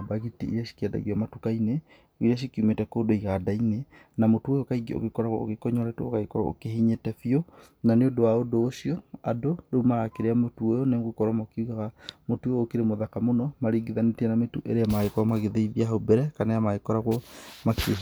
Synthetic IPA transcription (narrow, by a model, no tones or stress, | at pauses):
baɣitiḭɾiaʃi̥kiɛda̰ɣiwamatukaine | iɾiaʃ̬ikiumetɛkoːdoiɣadaine | namotuojokaiɡeo̰ɣekɔɾaɣwɔ̰o̰ɣekɔɲɔɾɛtɛoɣaekɔɾa̰o̰keɦiɲetɛfiɔ | naneodowaodoːʃiɔa̰dodoumaɣakeɾeamotuojɔnemɣekɔɾwamakeuɣaɣamotuoːkeɾemoðakamonɔmaɾiɡeðanetɛnametuʔeɾeamaɣekɔɾamaɣeðeiðiaɦobɛɾɛkanajamaɣekɔɾaɣwɔmak